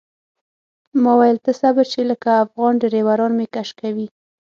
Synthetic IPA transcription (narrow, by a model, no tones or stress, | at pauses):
mɔwajɪlt̪əsabəɾt͡ʃeləkaːfɣɑnɖeɾewaɾɑnmekaʃkawi